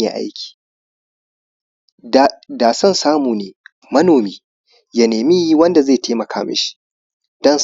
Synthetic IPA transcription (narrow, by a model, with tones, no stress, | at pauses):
ḛ˨ʔa̰˦jkʲi̥ː˨ | daː˨sɐ˦˨nsaː˦muː˨neː˨ | mɐ˦noː˨miː˦ | ja˨neː˨mi˦ji˦wɐ˦nda˨zeː˦˨tʰeː˦mɐ˨kʰa̰ː˦mɐ̰˦ʃi̥˦˨ | dɔ˦n